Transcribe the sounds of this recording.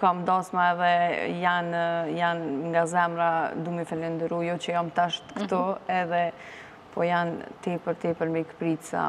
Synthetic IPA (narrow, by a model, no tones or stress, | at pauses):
kamd̪ɔsmaɛðɛjanjanŋɡazɛmɾad̪umɛfɛlɛnd̪əɾujɔt͡ɕəjɔmt̪aʃt̪kə̥t̪ɔɛðɛ | pɔjant̪ɛpəɾt̪ɛpəɾmɛkə̥pɾisa̰